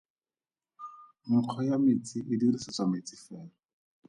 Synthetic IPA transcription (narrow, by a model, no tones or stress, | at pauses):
mʊq͡χʰɔjamɪt͡sʼɪʔɪdirisɔt͡samɪt͡sʼɪfɛːlɔ